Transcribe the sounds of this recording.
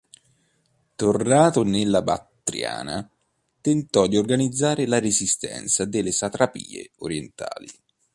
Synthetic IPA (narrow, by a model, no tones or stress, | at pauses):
t̪ornaːt̪onelːaba̰t̪ːɾja̰ːna̰ | t̪ent̪ɔd̪iorɡanid̪zːaːɾelaɾezist̪ɛ̰nt̪sad̪elːesat̪ɾapḭːḛoɾjent̪a̰ːli